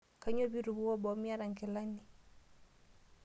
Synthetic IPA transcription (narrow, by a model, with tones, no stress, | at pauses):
ka˨˦ɲɔ˦bi˦ɾu˨βu˦ɔ˦bɔ˨˦mi˦a˦ɾa˨ŋkɛ˨la˦ni˨